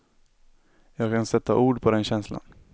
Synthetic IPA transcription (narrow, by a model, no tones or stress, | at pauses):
jɑːɡkʰansɛt̪ʰːa̰ʔuːɖpʰɔd̪ɛnɕɛnsla̰n